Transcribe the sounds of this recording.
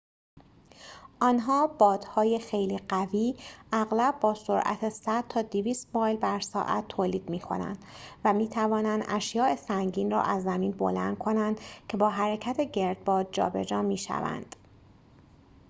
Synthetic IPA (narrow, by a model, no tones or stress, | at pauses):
ʔɒːnɦɒːb̥ɒːd̪̥hɒːjexejliːɢæviːʔæɣlæbːɒːsoɾʔæ̰t̪ʰesæd̪̚t̪ʰɒːd̪iviːst̪mɒːjlbæɾsɒ̰ːʔæ̰t̪ʰːoːliːd̪miːkʰo̞̰næ̰nd̪̥væmiːt̪ʰævɒːnænd̪ʔæʃjɒːʔe̞sæŋɟiːnrɒ̰ːʔæzːæmiːnbo̞̰læ̰nd̪̥̚kʰo̞nænd̪cʰe̞bɒːɦæɾecʰæt̪ʰeɟe̞ɾd̪̚bɒːd̪̚d͡ʒɒ̰ːbe̞̰d͡ʒɒːmiːʃæ̰væ̰nd̪̥